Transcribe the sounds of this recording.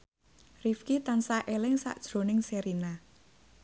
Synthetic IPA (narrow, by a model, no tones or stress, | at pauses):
rifkit̪ansaʔelɪŋsa̰ʔd̥ʒ̥ɾo̤nɪŋseɾina